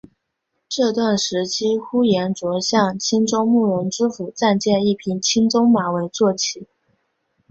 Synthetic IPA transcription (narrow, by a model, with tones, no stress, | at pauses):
ʈ͡ʂɤ˥˧t̪wa˥˩nʂɻ̩˧˥t͡ɕʰi˥xu˥jɛ˧˥nt͡swɔ˧˥ɕjɑ˥˩ŋt͡ɕʰi˥nt͡sʊ˥ŋmu˥˩ɻʊ˧˥ŋʈ͡ʂɻ̩˥fu˨˩t͡sa˥˧nt͡ɕjɛ˥˧ni˥˩pʰi˧˥nt͡ɕʰi˥nt͡sʊ˥ŋma˧˥we˧˥ɪt͡swɔ˥˩t͡ɕʰi˧˥˦